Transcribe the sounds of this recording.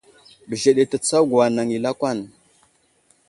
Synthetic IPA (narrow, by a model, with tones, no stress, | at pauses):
bə˨ʒe˨ɗe˨tə˨t͡sa˦wɡa˨na˨ŋi˨la˦kʷa˦˨n